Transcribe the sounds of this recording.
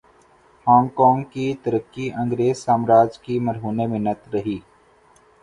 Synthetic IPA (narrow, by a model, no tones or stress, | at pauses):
hɔ̃ːŋɡkɔ̃ːŋɡkit̪əɾəkːiʔɐ̃ŋɡɾeːzsaːmɾaːd͡ʒkimɐɾɦuːnemɪnət̪ɾɐɦiː